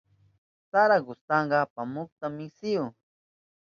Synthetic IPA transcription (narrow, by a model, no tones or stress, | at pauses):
saɾaɡʊst̪ɑɴɢɑpamʊk̚t̪amɪksɪjʊ